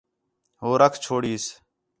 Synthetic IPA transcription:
ɦoːɾəkʰt͡ʃʰoːɽiːs

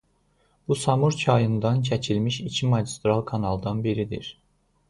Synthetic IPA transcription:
b̥usɑmuɾt͡ʃʰɑjɯnd̪ɑncʰæt͡ʃʰilmiʃicʰimɑɟist̪ɾɑlˠkʰɑnɑlˠd̪ɑnbiɾid̪ḭɾ

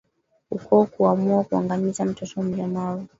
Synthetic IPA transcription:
hukɔkuamuakuaŋɡamizam̩tɔtɔm̩lamaɾu

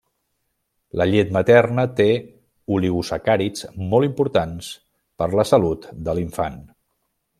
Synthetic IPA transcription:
ləʎet̪mət̪ɛrnət̪e | uliɣusəkaɾit͡smɔlˠimpuɾt̪ans | pəɾləsəlut̪d̪əliɱfa̰n

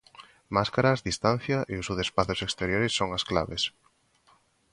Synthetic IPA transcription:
maskaɾazðist̪an̟θjaʔeusuðespaθʊsekst̪eɾjoɾɪsːoŋaskla̰βes

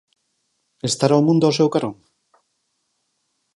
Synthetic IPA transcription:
est̪aɾaomũnd̪ʊosewkaɾoŋ

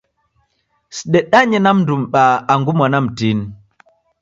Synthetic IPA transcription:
si̥ɗɛɗaɲɛnamndumɓaːŋɡumwanamtin

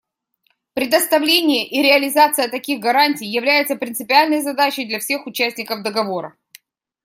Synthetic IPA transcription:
pɾʲɪd̪əst̪ɐvlʲenʲɪjəʔiɾʲɪɐlʲɪzat̪sɨjət̪ɐkʲiɣɡɐɾanʲtʲɪjjɪvlʲæjɪt̪səpɾʲɪnt̪ɨpʲɪalʲnəjzɐd̪at͡ɕɪjd̪lʲɐfsʲe̞xʊt͡ɕæsʲtʲnʲɪkəvd̪əɡɐvoɾə

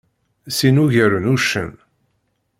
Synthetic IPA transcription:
sinuʝəɾənuʃːə̰n

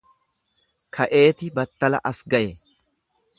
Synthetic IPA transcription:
kʰɐʔe̞ːt̪ɪbɐt̪ːɐlɐ̰ʔɐsɡɐʔɛ

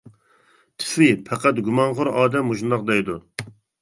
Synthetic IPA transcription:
t̪ʰɪ̥fɪpʰɛqæt̪ɡʲumɑnʁʊɾɑːd̪ɛmhoʃund̪ɑqd̪ɛjd̪u

